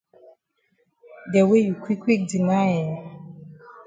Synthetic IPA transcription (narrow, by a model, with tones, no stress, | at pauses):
dɛ˨we˦ju˨kʰwi˦kwi˦k̚di˨ŋa˦jɛ˨